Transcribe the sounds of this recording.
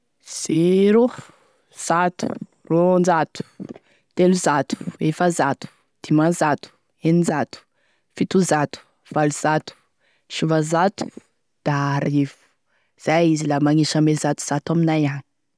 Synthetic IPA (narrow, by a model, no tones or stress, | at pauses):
z̥iɾo | z̥at̪u̥̰ | rond͡ʒat̪u̥ | t̪enuzat̪u̥efəzat̪u̥ | d̪̥imazat̪u̥ | enid͡ʒat̪u̥ | fit̪uzat̪u̥ | v̥aluz̥at̪u̥ | ʃivazat̪u̥ | d̪̥aɾiv̥u̥ | z̥ajizilamaŋiʃəmezat̪u̥z̥at̪aminajani̥